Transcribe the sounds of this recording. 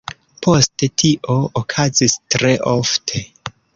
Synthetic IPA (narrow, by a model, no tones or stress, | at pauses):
posttʰiʔo̞okʰazistɾe̞ʔoftʰe̞